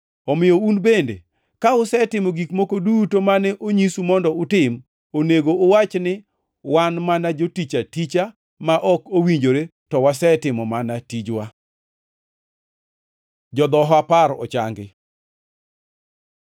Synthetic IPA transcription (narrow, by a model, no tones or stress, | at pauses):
ɔmɪjɔunbendḛ | kaʊsɛtɪmɔɡikmokodutomanɛʔoɲisumɔndɔʊtɪm | oneɡoːwat͡ʃnɪ | wanmanad͡ʒotit͡ʃatit͡ʃa | maʔɔkowiɲd͡ʒoɾetɔwasɛtɪmɔmanatid͡ʒwa | d͡ʒɔd̪ɔɦɔapaɾɔ̰t͡ʃa̰ŋɡɪ